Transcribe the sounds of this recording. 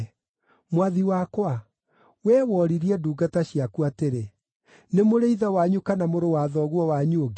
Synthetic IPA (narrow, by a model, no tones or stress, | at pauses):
mwaðiwakwa | wɛːwɔɾiɾiɛduːɡataɕiakuateɾe | nemoɾeiðawaɲukanamoɾowaðɔɣwɔwaɲuoɡ